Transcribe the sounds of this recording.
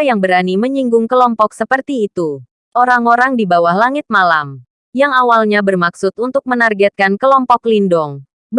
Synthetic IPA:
ajaŋbəɾaniməɲiŋɡʊŋkəlɔmpɔksəpərt̪iːt̪u | ʔoɾaŋoɾaŋdibawahlaŋɪt̪̚malam | jaŋawalɲabərmaksʊt̪unt̪ʊk̚mənarɡɛt̪̚kankəlɔmpɔklindɔŋ | b

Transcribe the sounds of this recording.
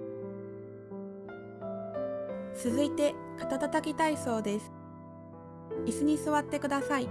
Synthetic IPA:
t͡sɨzɨit̪e̞ | kḁt̪at̪at̪akʲit̪aiso̞ːd̪e̞sɨ̥ | isɨɲ̟isɨβat̪ːe̞kɯ̟d̪asai

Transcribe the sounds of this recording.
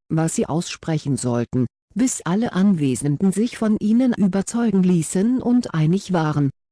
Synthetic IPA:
vasz̥iːʔaʊsʃpʁ̥ɛçn̩zɔltn̩ | b̥ɪsʔaləʔanveːzəndn̩zɪçfɔnʔiːnənʔʔyːbɐt͡sɔʏɡŋ̩liːsənʔʊntʔaɪnɪçv̥aːʁən

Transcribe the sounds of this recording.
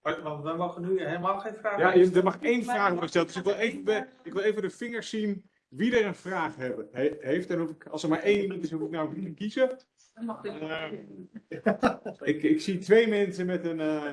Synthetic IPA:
ʋɑntʋəmoχənyɦelˠmalˠxejnfraːjadəɹmɑχɪkejnfraːχɔɹdəχəstɛlˠt̚d̥ʏsɪkʋɪlˠejvəɪkʋɪlˠejvədəfɪŋəɹsin | ʋidəɹənvraːχɦɛbɦejftɛnufɪkɑ̰lˠsəɹmaːɹejnimɑntɪsɦufɪk̚nawkitəkizə | ɪkɪksitʋejmɛnsəmɛtən

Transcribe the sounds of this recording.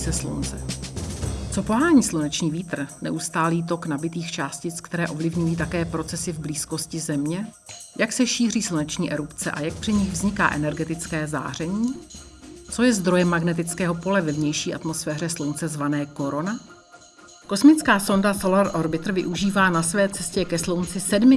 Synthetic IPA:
sɛslṵnt͡sɛ | t͡so̞po̞ɦaːɲiːslunɛt͡ʃɲiːviːt̪r̩nɛ̰ʔust̪aːliːt̪̬o̞knabɪt̪iːxt͡ʃaːscɪt͡skt̪ɛɾɛːʔo̞vlɪvɲujiːt̪̬akɛːpɾo̞t͡sɛsɪvbliːsko̞scɪzɛmɲɛ | jaksɛʃiːriːslunɛt͡ʃɲiːʔɛɾupt͡sɛʔa̰jak̚pr̥ɪɲɪɣvzɲɪka̰ːʔɛnɛɾɡɛt̪ɪt͡skɛːza̰ːr̝ɛɲiː | t͡so̞jɛzd̪ɾo̞jɛmːaɡnɛt̪̬ɪt͡skɛːɦo̞po̞lɛvɛvɲɛjʃiːʔa̰t̪mo̞sfɛːr̝ɛslownt͡sɛzvanɛːko̞ɾo̞na | ko̞smɪt͡skaːso̞ndasolaɾʔoɾbɪt̪r̩vɪ̰ʔuʒiːvaːnasvɛːt͡sɛscɛkɛslownt͡sɪsɛdmɪ

